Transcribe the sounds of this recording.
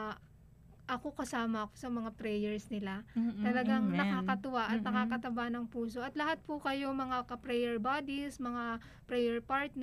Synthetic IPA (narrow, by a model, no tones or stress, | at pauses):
ʔɐko̞kɐsaːmɐko̞̥sɐmɐŋat̪ɾɛjɛɹsnɪlat̪ɐlɐɡaŋnɐkaːkɐt̪ʊwaʔɐt̪̚nɐkaːkɐt̪ɐbanɐŋpuːso̞ʔɐt̪lɐhat̪̚pʊkɐjo̞mɐŋakɐpɾɛjɛɹbaːd̪ismɐŋa | pɾɛjɛɹpaɹt̪̚n